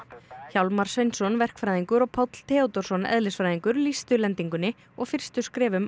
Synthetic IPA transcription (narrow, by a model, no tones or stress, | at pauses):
çawlmaɾ̥svejnsɔnvɛr̥kfɾajðiŋkʏɾɔɣpʰɔwt̪l̥t̪ʰɛːɔt̪ɔɾ̥sɔnɛ̰ðlɪsfɾajðiŋkʏɾlist̪ʏlɛnt̪iŋkʏnɪ | ɔɣfɪr̥st̪ʏskɾɛːvʏm